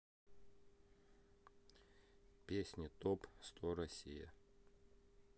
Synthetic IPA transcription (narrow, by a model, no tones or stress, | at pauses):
pʲesʲnʲɪt̪opst̪oɾɐsʲijə̰